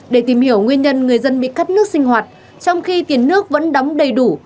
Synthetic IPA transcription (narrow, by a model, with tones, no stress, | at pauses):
ɗe˧˩t̪i˨˩mhi˧˩əwŋwi˧ənɲə˧nŋɨ˨˩əjzə˧nɓḭ˧˨ka˦˥t̚nɨ˦˥ək̚sï˧ŋ̟hwaː˨˩t̚ | t͡ɕɔ˧wŋ͡mxi˧t̪i˨˩ənːɨ˦˥ək̚və̰˧˥nɗɔ˨˦wŋ͡mɗə˨˩jɗu˧˩